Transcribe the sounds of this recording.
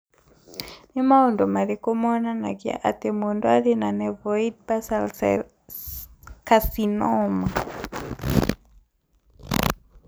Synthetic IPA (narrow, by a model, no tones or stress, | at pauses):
nimaɔndɔmaðekɔmɔnanaɡia̰ʔa̰tɛmundɔaðenanɛvɔid̚basals | kasinɔma